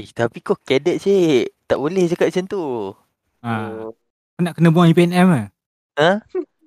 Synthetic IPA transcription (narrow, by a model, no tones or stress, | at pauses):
t̪apikokɛdɛt̪̚set̪aʔbolɛht͡ʃakaʔ̪̚sənt̪u | a | konaʔkənəbuaŋipeɛnɛmə | ə̃